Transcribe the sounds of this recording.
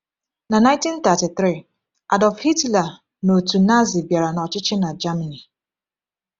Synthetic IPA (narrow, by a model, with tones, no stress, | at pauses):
na˨nã˦ɪ̃˦nti˦n˦t̪a˨ti˨θɾi˦˨ | ʔa˨dɔ˨fhi˦tla˨ | no˨tu˨na˦zi˨bja˨ɾa˨na˨ɔ˨t͡ʃɪ˦t͡ʃɪ˦na˨d͡ʒa˦ma˨ni˨